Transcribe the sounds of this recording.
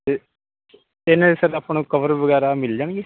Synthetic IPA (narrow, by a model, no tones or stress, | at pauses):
e | ɪnãːesəɾapnũːkəʋəɾʋəɡɛːɾamɪld͡ʒaːnɡeː